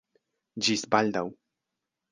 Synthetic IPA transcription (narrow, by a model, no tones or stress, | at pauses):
d͡ʒisbald̪aw